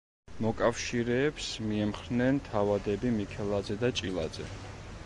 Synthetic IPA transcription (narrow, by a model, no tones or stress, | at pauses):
mɔkʼafʃiɾɛːpsmiɛmχɾnɛnt̪ʰavad̪ɛbimikʰɛlˠad̪zɛd̪at͡ʃʼilˠa̰d̪zɛ̰